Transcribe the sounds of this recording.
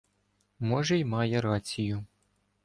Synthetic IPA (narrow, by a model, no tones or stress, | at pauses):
mɔʒɛjmɑjɛɾɑt͡sʲijʊ